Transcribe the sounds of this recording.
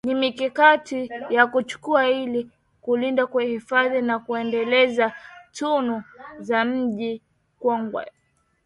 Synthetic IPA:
nimikikatijakut͡ʃu̥kuahili | kulindakwɛhifaðinakuɛndɛlɛzatunuzam̩ʄi | kwɔŋɡwɛ̰

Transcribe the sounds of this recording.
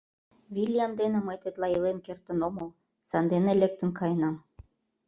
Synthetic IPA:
βilʲjɑmd̪enĕmɤjt̪et̪lɑilenkert̪ə̆nomɤ̆l | sɑnd̪enĕlek̚t̪ə̆nkɑjnɑm

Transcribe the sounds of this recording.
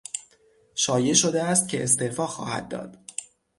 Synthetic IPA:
ʃɒːje̞ʃo̞d̪eæst̪cʰe̞ʔest̪e̞ɾfɒːxɒ̰ːhæ̰d̪̚dːɒ̰ːd̪̥

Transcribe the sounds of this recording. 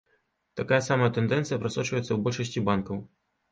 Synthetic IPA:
t̪akajɐsamɐjɐt̪ɛnd̪ɛnt̪sɨjɐpɾasɔt͡ʂvɐjɛt̪sːɐwbɔlʲʂɐsʲt͡sʲibankɐw

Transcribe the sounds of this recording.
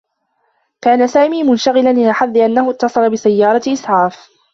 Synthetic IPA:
kaːnasaːmiːmʊnʃaɣɪlanʔɪnaħaðːɪʔanːahʊt̪ːɑsˤɑlɑbɪsajːɑːɾˤɑʔɪsˤʕɑːf

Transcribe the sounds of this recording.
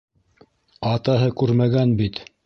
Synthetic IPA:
ɑt̪ɑɦɤkʉɾmæɡænbit̪

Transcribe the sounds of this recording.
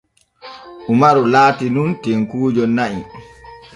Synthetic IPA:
ʔumaɾulaːtinuntɛŋkuːd͡ʒɔnaʔḭ

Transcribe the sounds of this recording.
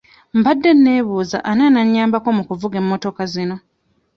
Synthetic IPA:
m̩badːe̞nːe̞ːβuːza̰ʔananaɲːaːmbako̞mukuvuɡe̞mːo̞to̞kazino̞

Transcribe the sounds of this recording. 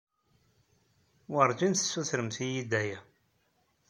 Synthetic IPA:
wəɾˤd͡ʒinθə̥sːuθɾəmθijid̪æjæ

